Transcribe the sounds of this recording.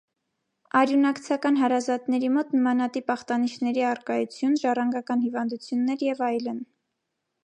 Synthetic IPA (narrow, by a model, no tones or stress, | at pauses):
ɑɾjunɑkt͡sʰɑkɑn̪ɦɑɾɑzɑt̪nɛɾimɔt̪nəmɑnɑt̪ipɑχt̪ɑniʃʰnɛɾiɑrkɑjut͡sʰjunʒɑrɑŋɡɑkɑnhivɑnd̪ut͡sʰjunːɛɾjɛvɑjlən